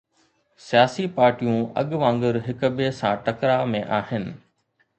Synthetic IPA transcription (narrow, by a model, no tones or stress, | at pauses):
sijaːsipaːɾʈijũɐ̰ɠʋãːŋɡəɾɦɪkbeːsãʈɐkɾamẽʔaːɦɪnɪ̆